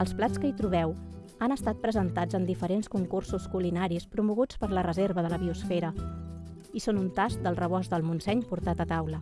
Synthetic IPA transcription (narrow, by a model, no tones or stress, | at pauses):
əlˠsplat͡skəit̪ɾuβ̞ɛw | anəst̪at̪̚pɾəzənt̪ad͡zənd̪ifəɾenskuŋkursuskulinaɾispɾumuɣut͡spəɾlərəzeɾβəðələβiusfeɾə | isonunt̪ask̚d̪əlˠrəβɔzðəlˠmunsɛɲpuɾt̪at̪ət̪awlə